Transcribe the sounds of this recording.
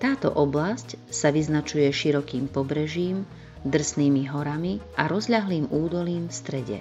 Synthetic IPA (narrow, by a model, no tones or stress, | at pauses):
t̪aːt̪ɔ̰ʔɔblascsaʋiznat͡ʃujɛʃiɾɔkiːmpɔbɾɛʒiːm | d̪r̩sniːmiɦɔɾamiʔaɾɔzʎaɦliːmuːd̪ɔliːmfst̪ɾɛɟɛ̰